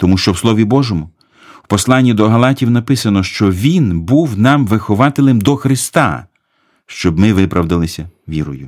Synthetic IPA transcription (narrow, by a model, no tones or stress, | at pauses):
t̪ɔmuʃt͡ʃɔwslˠɔʋʲibɔʒɔmʊ | wpɔslˠɑnʲːid̪ɔɦɐlˠɑtʲiwnɐpɪsɐnɔʃt͡ʃɔʋʲinbuwnɑmʋɪxɔʋɑt̪ɪlˠɪmd̪ɔxɾɪst̪ɑ̰ | ʃt͡ʃɔbmɪʋɪpɾʔɐwd̪ɪlˠɪsʲɐʋʲiɾɔjʊ